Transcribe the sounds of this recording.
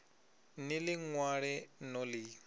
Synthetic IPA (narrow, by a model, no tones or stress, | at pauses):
nɪlɪŋwaɺɛnɔlɪ